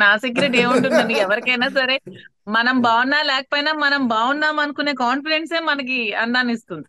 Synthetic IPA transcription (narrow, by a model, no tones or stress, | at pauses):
naːsiɡɾeʈe̞ːmuɳʈund̪ɐnd̪iɛʋɐɾikɐjnaːsɐɾe̞ː | mɐnɐmbaːʋunːaːlɛːkɐ̥poːjinaːmɐnɐmbaːʋunːaːmɐnɐkuneːkaːnfiɖe̞ɳʈse̞ːmɐnɐk̬iɐnd̪aːnist̪und̪i